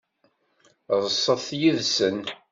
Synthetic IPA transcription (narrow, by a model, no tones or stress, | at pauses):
ðˤəsˤːəθjiðsən